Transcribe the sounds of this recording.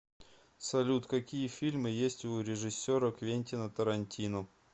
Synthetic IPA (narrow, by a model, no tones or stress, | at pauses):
sɐlʲut̪kɐkʲijəfʲilʲmɨjesʲtʲuɾʲɪʐɨsʲːoɾəkvʲenʲtʲɪnət̪əɾɐnʲtʲinʊ